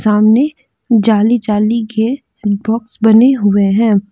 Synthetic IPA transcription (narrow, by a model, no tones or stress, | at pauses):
saːmne | d͡ʒaːlid͡ʒaːlike | bɔːksbɐneɦʊeɦɛ̃ː